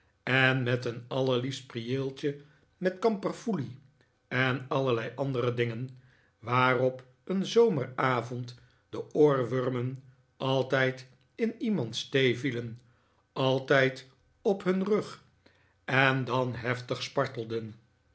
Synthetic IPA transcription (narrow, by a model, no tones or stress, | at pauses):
ɛnmɛtənɑləɹlifst̚priɪːlˠt͡ʃə | mɛtkɑmpərfuli | ɛnɑləlɛjʔɑndərədɪŋən | ʋaːrɔp | ənzowməraːvɔnt | d̥əʔoːɹʋørmən | ɑlˠtɛjt | ɪnimɑntstejvilən | ʔɑlˠtɛjt | ɔpɦɵnrɵχ | ɛndɑnɦɛftəχspɑɹtəl̩ˠdən